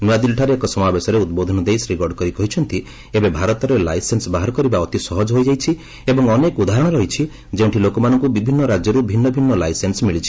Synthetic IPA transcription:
nuad̪ilʈʰaɾeːkɔsɔmabesɔɾeud̪bod̪ʱɔnɔd̪ejsɾiɡɔɾɖkɔɾikɔɦit͡ʃʰɔnt̪i | ebebʱaɾɔt̪ɔɾelajsensbaɦaɾɔkɔɾibaɔt̪isɔɦɔd͡ʒɦojd͡ʒajt͡ʃʰi | ebɔŋɔnekud̪ʱaɦɾɔɽ̃ɔɾɔɦit͡ʃʰi | d͡ʒeũʈʰilokɔmanɔŋkubibʱinːɔɾad͡ʒjɔɾubʱinːɔbʱinːɔlajsensmiɭit͡ʃʰi̥

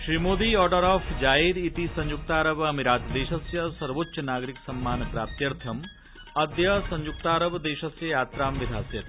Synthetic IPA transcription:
ʃɾiːmoːd̪iɔːɾɖəɾɔːfd͡ʒaːeːd̪it̪isɐ̃ɲjuk̚t̪aːɾɐbɐmiɾaːt̪d̪eːʃɐsjɐsɐɾʋotːʃɐnaːɡɾiksɐmːaːnpɾaːp̚t̪jɐɾt̪ʰɐm | ɐd̪jɐsɐ̃ɲjuk̚t̪aːɾəbd̪eːʃɐsjɐjaːt̪ɾaːmʋid̪ʱaːsjɐt̪i

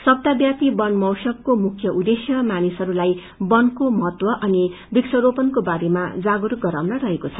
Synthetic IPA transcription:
sʌb̚d̪abjat̪ibʌnmʌwsʌkːomukʰjʌʔud̪esjʌmanisɦʌɾulaj | bʌnkomʌɦʌt̪wʌʔʌni | biksʌɾopʌnkobaɾemad͡zaɡuɾɡʌɾawnʌɾʌɦekot͡sʰʌ

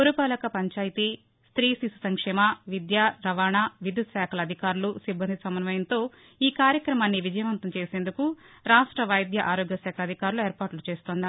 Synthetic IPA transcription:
poɾupaːlɐkɐpɐɲt͡ʃaːjit̪i | st̪ɾiːsisu̥sɐŋkʂɛːmɐʋid̪jaːɾɐʋaːɳaːʋid̪ut̪sɛːkʰɐlɐd̪ʱikaːɾulusibːɐnd̪ʱisɐmɐnʋɐjɐnt̪o̞ː | iːkaːɾjɐkɾɐmaːnːiʋid͡ʒɐjɐʋɐnt̪ɐmt͡ʃe̞ːseːnd̪uku | ɾaːʂʈɾɐʋɐjd̪jɐʔaːɾoːɡjɐsɛːkʰɐɐd̪ʱikaːɾulueːɾpaːʈlut͡ʃe̞ːst̪oːnd̪i

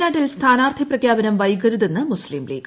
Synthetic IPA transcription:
naːʈːilst̪ʰaːnaːrt̪ʰiprɐkʰjaːbɐnɐmʋɐjɡɐɾuðenːɨmusliːmlḭːɡ

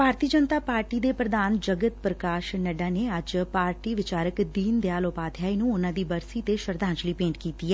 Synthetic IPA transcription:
bʱaːɾt̪iːd͡ʒənt̪aːpaːɾʈiːd̪eːpɾəd̪aːnd͡ʒəɡət̪̚pɾəkaːʃnəɖaːneːəd͡ʒpaːɾʈiːʋɪt͡ʃaːɾəkd̪iːnd̪jaːloːpaːd̪ʰjaːiːnũʊnãːd̪iːbəɾsiːt̪eʃəɾd̪ʱãːɲt͡ʃliːpẽːɳʈkiːt̪iːɛː

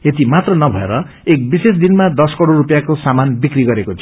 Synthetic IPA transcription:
jet̪imat̪rʌnʌbʱʌḛɾʌ | ek̚bises̬d̪inmad̪ʌskʌɽoɾupjakosamanbikriɡʌɾekot͡sʰi

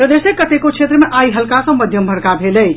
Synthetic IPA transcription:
pɾəd̪esekət̪ekot͡ʃʰet̪ɾəmeʔajɦəlkasə̃məd̪ʱjəmbʱəɾkabʱeləj

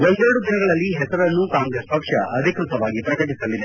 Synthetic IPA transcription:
wond̪eɾɐɽud̪inɐɡɐɭɐlːiɦɛsɐɾɐnːukaːŋɡɾespɐkʂɐ̰ʔɐd̪ʱikɾut̪ɐʋaːɡipɾɐkɐʈisɐlːid̪e

